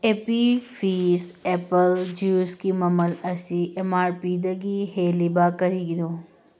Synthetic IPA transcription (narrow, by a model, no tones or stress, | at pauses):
epifiːsepəld͡ʒuːskimɐməlɐsiʔemaːɾpiːd̪əɡiheːlibaːkɐɾid̪o